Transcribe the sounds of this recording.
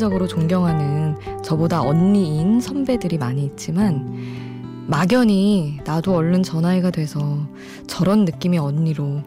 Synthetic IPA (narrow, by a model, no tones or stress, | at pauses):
d͡ʑʌɡɯɾot͡ɕoŋɡjʌŋɦanɯnt͡ɕʌbodaʔʌnːiːnsʰʌmbe̞dɯɾimaɲiːt̚t͡ɕ͈iman | maɡjʌɲinadoʌɭːɯnt͡ɕʌnaeɡadwe̞sʰʌ | t͡ɕʌɾʌnːɯk͈imiʌɲːiɾo